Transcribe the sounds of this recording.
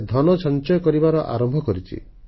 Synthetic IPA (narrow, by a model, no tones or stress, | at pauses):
d̪ʱɔnɔt͡ʃʰɔnt͡ʃɔjɔkɔɾibaɾɔʔa̰ɾɔmbʱɔkɔɾit͡ʃʰḭ